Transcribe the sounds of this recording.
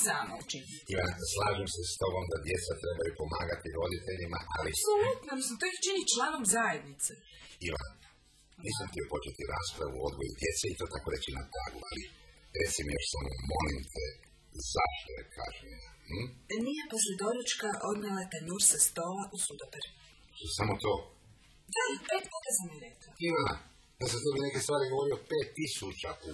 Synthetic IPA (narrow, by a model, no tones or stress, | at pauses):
zamo̰t͡ʃin | iʋanslaːʒimsest̪o̞ɡo̞md̪ad̪je̞t̪sat̪ɾe̞bajupo̞maːɡat̪iɾo̞d̪it̪eʎima̰ʔaliasolut̪noist̪oixt͡ʃinit͡ʃlˠaːnomzaje̞d̪nit̪seiʋa̰n | niːsamt̪io̞po̞t͡ʃet̪iɾaːspɾaʋuo̞d̪ɡojṵd̪je̞t̪seit̪o̞ːt̪ako̞ɾe̞t͡ʃinap̪ɾa̰ːɡuali | ɾet̪simjo̞ʃsamomo̞limt̪ʰɛ | za̰ʃt̪ojekʰa̰ʒɲejah̩nijaposlʲed̪oɾut͡ʃkaʔod̪nalˠat̪enuːɾsast̪oːlaʔusud̪opeɾ | samot̪oː | d̪apeːt̪puːt̪asamjeɾeklaiʋana̰ | jasat̪ebinekest̪ʋaːɾiɡo̞ʋo̞ɾiopeːt̪ːisut͡ʃau